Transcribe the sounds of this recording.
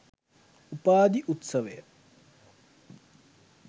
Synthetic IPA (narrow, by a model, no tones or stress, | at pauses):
upaːd̪iʔut̪sɐʋejə